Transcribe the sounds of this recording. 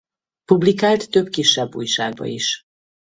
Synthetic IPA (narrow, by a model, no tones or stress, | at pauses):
publikaːlt̪ːø̞bkiʃːɛbːṵːjʃaːɡ̚bɒ̰iʃ